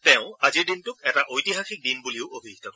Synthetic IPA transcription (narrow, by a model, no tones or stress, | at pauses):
tɛʊ̃aziɹdintʊk̚ɛtaʔojtiɦaxik̚dinbuliʊobʱitʰakɔ